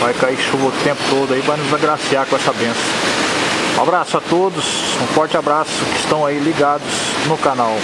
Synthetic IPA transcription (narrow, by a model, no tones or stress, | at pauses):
vajkaiʃuvɐt̪ẽmpʊ̥t̪od̪ʊaivajnʊzaɡɾasiaɾkõɛsɐbẽsɐ̃ | ũa̰bɾasʊat̪od̪ʊsũfɔɾt͡ʃɪabɾasʊkɪɪst̪ɐ̃w̃ailiɡad̪ʊz̥nʊkanaw